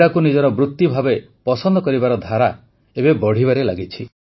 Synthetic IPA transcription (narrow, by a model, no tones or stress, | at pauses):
ɽakunid͡ʒɔɾɔbɾut̪ːjibʱabe | pɔsɔnd̪ɔkɔɾibaɾɔd̪ʱaɾa | ebebɔɽ̤ibaɾelaɡit͡ʃʰi